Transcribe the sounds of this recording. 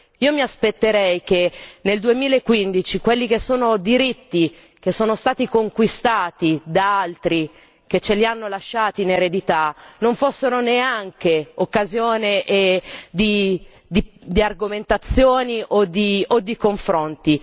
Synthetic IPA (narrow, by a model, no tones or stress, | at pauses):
iːomiaspet̪ːeɾɛjk̟eneld̪uemiːlaekːwind̪it͡ʃikwelːikesːoːnod̪iɾit̪ːi | k̟esːoːnost̪aːt̪ikoŋkwist̪aːt̪id̪aalt̪ɾi | k̟et͡ʃːelianːolaʃːaːt̪iːneɾed̪it̪anoɱfosːeɾoneaŋkeokːazjoːneʔed̪i | d̪id̪iarɡoment̪at̪sːjoːniʔod̪iod̪ːikoɱfɾont̪i